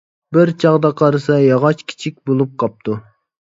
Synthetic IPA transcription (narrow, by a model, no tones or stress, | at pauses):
bɪɾt͡ʃʰɑʁd̪ɑqʰɑɾɨsɑjɑʁɑt͡ʃkʲʰi̥t͡ʃʰik̚ʲbolˠup̚qʰɑp̚t̪ʰu